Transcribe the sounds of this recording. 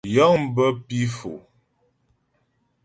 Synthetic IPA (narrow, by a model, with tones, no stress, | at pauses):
jɔ˦ŋ˦bə˦pi˦fo̰˨